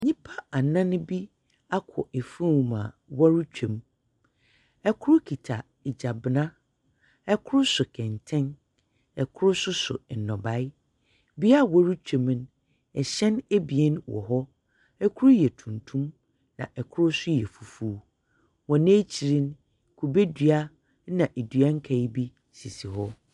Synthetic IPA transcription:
ɲĩ˦pʰa˦a˨nã˦nʊ̃˦bi˦ | a˦kʰɔ̰˨ʔe˨fɾũ˦wmã̰˨ | wɔ˦ɾu˦t͡ɕᶣẽ˨m | ɛ˦kʰʊ˦ɾʊ˦kʰi˨tʰa˨ | ɪ˨d͡ʑa˨bɪ˨nã˦ | ɛ˦kʰʊ˦ɾʊ˦sʊ˨kʰɛ̃˨ntʰɛ̃˦n | ɛ˨kʰʊ˦ɾʊ˦sʊ˦sʊ̰˨n̩˨nɔ̃˨ba˨ɪ˦ | bi˦a˦wɔ˦ɾu˦t͡ɕᶣẽ˨m˦n˦ | ɛ˨ɕɛ̃˦ne˦bi˨ɛ˦n˦wɔ̰˨ɦɔ˦ | ɛ˦kʰʊ˦ɾʊ˦jɛ˨tʰũ˨ntʰũ˦m | nã̰˨ʔɛ˨kʰʊ˦ɾʊ˦sʊ˦jɛ˨fu˨fuː˦ | wɔ̃˨nẽ˦t͡ɕʰi˨ɾĩ˦n | kʰu˨be˦dɥa˦ | nã˨ʔe˨dɥa˦ŋ̩˦kʰa˨i˦bi˦ | si˨si˨ɦɔ˦

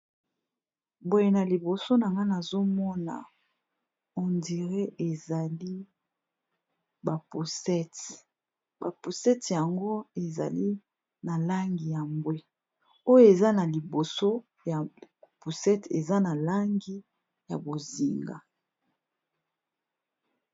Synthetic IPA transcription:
bwo˨je˨na˨li˨bo˨so˦na˨ŋɡa˦na˨zo˦mɔ˦na̰˨ | o˨ndi˨ʁe˦ʔe˨za˨li˦ | ba˨pu˨sɛ˦t | ba˨pu˨sɛ˦tja˨ŋɡo˦e˨za̰˨li˦ | na˨la˦ŋɡi˨ja˨mbwe˦ | o˦jo˦e˨za˦na˨li˨bo˨so˦ | ja˨pu˨sɛ˦tḛ˨za˦na˨la˦ŋɡi˦ | ja̰˨bo˨zi˨ŋɡa̰˨

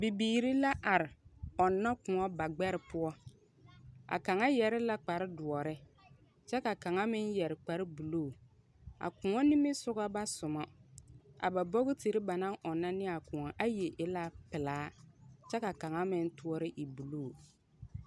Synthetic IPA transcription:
bi˨biː˨ɾi˦la˦ʔa˨ɾɪ˨ɔ˨nːa˦kʊ̃˨ŋɔ˦ba˨ɡ͡bɛ˦ɾɪ˨pʊ˦ɔ˦ | a̰˨ka˨ŋa˦jɛ˨ɾɪ˦la˦k͡pa˨ɾɪ˦dʊ˨ɔ˨ɾɪ˦ | t͡ʃɛ˦ka˨ka˨ŋa˦mɪ˦njɛ˨ɾɪ˨k͡pa˨˦ɾɪ˦bu˨loː˦˨ | a̰˨kʊ̃˨ŋɔ˦nɪ˦mɪ˦sʊ˦ɣa˦ba˦sʊ˨mɔ˦ | a̰˨ba˨bɔ˦ɣɪ˦ti˨ɾɪ˦ba˨na˦ŋʔɔ˨nːa˦nɪ˦a˨kʊ̃˨ɔ˨ʔa˦je˨ʔɪ˦la˦pɪ˨laː˨˦t͡ʃɛ˦ka˨ka˨ŋa˦mɪ˦n˦tu˦ɔ˦ɾɪ˦ʔi˨bu˨loː˦˨

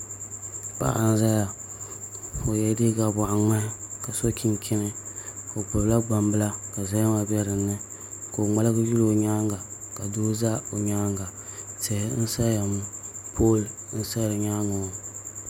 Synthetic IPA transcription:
pa̰˦ʔa̰˨n˦za˦ja˨ | fo˨jɛ˨˦di˦ɡa˨bʊ˨ʔa˨ŋ͡ma˦ka˨so˦kʲʰi˦nkʰʲɪ˦nɨ˦fo˨pʊ˨bla˦ɡ͡ba˨mbɨ˦la˦ka˨za˦ja˦ma˨bɛ˦ɾɨ˨nːɨ˦ | ko˨ŋ͡ma˦la˦ɡji˦lo˨ɲaː˦ŋɡa˨ka˨doː˦za˦o˨ɲaː˦ŋɡa˨se˨hɪ˦n̩˦sa˦ja˨mpʰoː˦ln̩˦sa˦jo˨ɲa˦ŋo˨

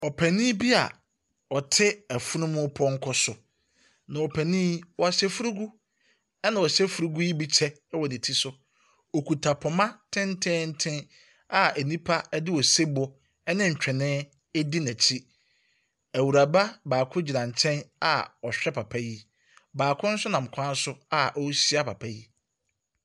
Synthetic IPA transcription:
ɔ˨pʰæ˨nĩ˦bi˦a̰˨ | ɔ˨tʰɪ˦æ˨fʊ˦nʊ̃˦mʊ̃˦pʰɔ̃˦ŋ̩˦kʰɔ˦sʊ˨ | nã˨ɔ˨pʰæ˨nĩ˦wɔ˨a˨ɕɛ˦fʊ˦ɾu˦ɡu˦ | ɛ˦nã˨wɔ˨ɕɛ˦fʊ˨ɾu˦ɡu˦ji˦bi˦t͡ɕʰɛ˦wɔ˨nɪ̃˨tʰi˦sʊ˦ | ɔ˨kʰu˨tʰa˨pʰɔ˨mã˦tʰɪ̃˦n˦tʰɪ̃˦n̩˦tʰɪ̃˦ | a˦ʔæ˨nĩ˦pʰa˦ɛ˦dɪ˦wɔ˨se˦bɔ˦ | ɛ˦nɪ̃˦ɲ̩˨t͡ɕᶣɛ˨nɪ̃ː˦ | di˦næ̃˨t͡ɕʰi˦ | æ˨wu˨ɾa˨ba˦baː˨kʰʊ˦d͡ʑi˨nã˨n˨t͡ɕʰɛ̃˦na̰˨ɔ˨ɕᶣɛ˦pʰa˨pʰa˦ji˦ | baː˨kʰʊ̃˦n̩˦sʊ˦nã˨m̩˨kʷʰã˦n˦sʊ˦a˨ʔɔ˦si˦a˦pa˨pʰa˦ji˦

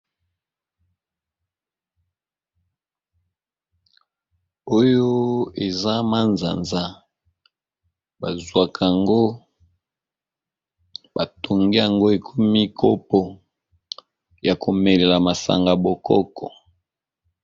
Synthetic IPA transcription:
o˦jo˦e˨za˦ma˦nza̰˨nza˦ | ba˨zwa˨kʰa˨ŋɡo˦ | ba˨to˨ŋɡi˦ja˨ŋɡo˦e˨kʰo˦mi˦˨kʰo˦pɔ˨ | ja˨ko˨me˨le˨la˨ma˨sa̰˨ŋɡa˨bo˨kɔ˦kʰɔ˨

